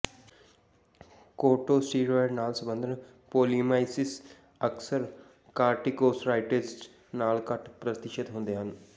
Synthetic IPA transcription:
koːʈoːsʈiːɾoɾnaːlsəbə̃nd̪ʱən | poːlimaːɪsɪs | əksəɾ | kaːɾʈikoːsɾaːɪʈes | naːlkəʈpɾət̪ɪʃət̪ɦʊ̃nd̪eːɦən

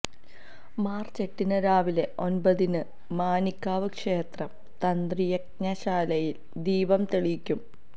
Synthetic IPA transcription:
maːrt͡ɕe̞ʈːinɐɾaːʋile̞ʔo̞nbɐðinɨ | maːnikʲːaːʋɨkʂe̞ːt̪rɐm | t̪ɐnd̪rijek̚ɲɐɕaːlɐjil | d̪iːʋɐmt̪eɭikʲːum

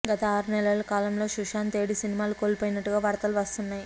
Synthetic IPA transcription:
ɡɐt̪ɐaːɾunɛlɐɭɐkaːlɐmlo̞ːʃuʂaːnt̪e̞ːɽisinimaːluko̞ːlpoːjinɐʈːuɡaːʋɐɾt̪ɐluʋɐst̪unːaːj

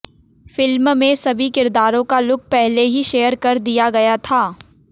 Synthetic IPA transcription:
fɪlmmẽsɐbʱikɪɾd̪aːɾõkalʊk̚ʰpɛɦleɦiʃeːəɾkɐɾd̪ijaɡɐjat̪ʰaː

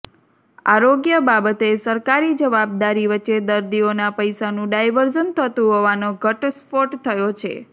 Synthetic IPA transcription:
a̰ɾoɡjəbabət̪esəɾkaɾid͡ʒəʋab̚d̪aɾiʋətːʃed̪əɾd̪ionapəjsanũɖajʋəɾd͡ʒənt̪ʰət̪ũɦoʋanoɡʱəʈspoʈt̪ʰəjot͡ʃʰḛ

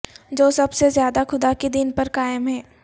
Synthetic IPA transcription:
d͡ʒoːsɐbsezjaːd̪axʊd̪akid̪ɪnpɐɾkaːjəmɦɛː

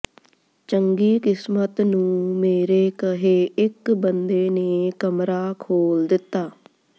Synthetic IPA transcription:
t͡ʃəŋɡiːkɪsmət̪nũːmeːɾeːkəɦeːɪkbənd̪eːneːkəmɾaːkʰoːld̪ɪt̪ːaː

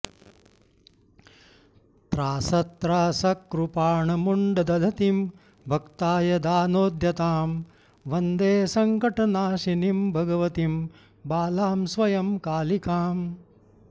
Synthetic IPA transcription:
t̪ɾaːsɐt̪ːɾaːsɐkːɾupaːɳɐmuɳɖɐd̪ɐd̪ʱɐt̪im | bʱɐkt̪aːjɐd̪aːnoːd̪ʱjɐt̪aːm | ʋɐnd̪eːsɐŋkɐʈɐnaːʃinimbʱɐɡɐʋɐt̪im | baːlaːmsʋɐjɐmkaːlikaːm

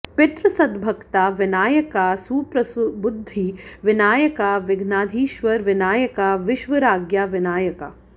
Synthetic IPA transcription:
pɪt̪ɾəsɐd̪bʱɐkt̪aːʋɪnaːjɐkaːsuːpɾɐsbʊd̪ʱːiʋɪnaːjɐkaːʋɪɡʱnaːd̪ʱiːʃʋɐɾʋɪnaːjɐkaːʋɪʃʋɐɾaːɡjaːʋɪnaːjɐka̰ː

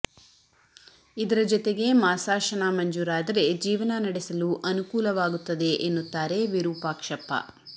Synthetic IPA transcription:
id̪ɐɾɐd͡ʒɔt̪e̞ɡe̞maːsaːʃɐnaːmɐɲd͡ʒuːɾaːd̪ɐɾe̞d͡ʒiːʋɐnɐnɐɽesɐluʔɐnukuːlɐʋaːɡut̪ːɐd̪e̞ʔenːut̪ːaːɾe̞ʋiɾuːpaːkʂɐpːɐ̰

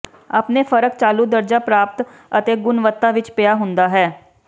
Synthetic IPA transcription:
a̰ːpneːpʰəɾək̚t͡ʃaːluːd̪əɾd͡ʒaːpɾaːp̚t̪ | ət̪eːɡʊnʋət̪ːaːʋɪt͡ʃpɪjaːɦʊnd̪aːɦɛː

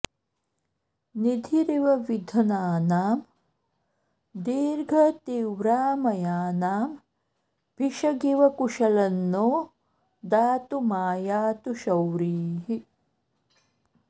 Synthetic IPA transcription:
nid̪ʱiɾiʋɐʋid̪ʱɐnaːnaːm | d̪iːɾɡʱɐt̪iːwɾaːmɐjaːnaːm | bʱiʃɐɡiʋɐkuʃɐlɐnːoː | d̪aːt̪umaːjaːt̪uʃɐwɾiːɦi

